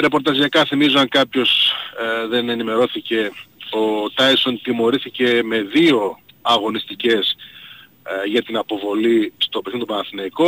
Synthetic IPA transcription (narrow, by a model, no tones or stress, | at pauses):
ɾe̞po̞ɾt̪ɐziɐkɐθimizoɐŋkɐpço̞s | ðe̞ne̞nime̞ɾo̞θice̞o̞t̪ɐjso̞nt̪imo̞ɾiθice̞me̞ðio̞ɐɣo̞nist̪ice̞s | ʝɐt̪inɐpo̞vo̞list̪o̞pesint̪opɐnɐθinɐiko̞